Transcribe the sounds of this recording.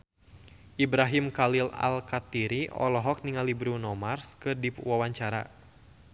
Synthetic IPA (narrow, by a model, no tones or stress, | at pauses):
ʔibɾaɦimkalila̰lkat̪iɾiʔɔ̰lɔɦɔk̚niŋalibɾunɔmarskɨrdiwawaɲt͡ʃaɾa̰